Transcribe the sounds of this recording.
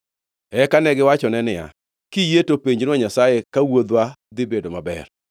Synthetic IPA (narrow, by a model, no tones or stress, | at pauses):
ɛkanɛɡɪwat͡ʃɔnɛnɪja̰ | kijetopeɲd͡ʒɪnwaɲasajekawod̪wad̪ɪbedomabɛ̰r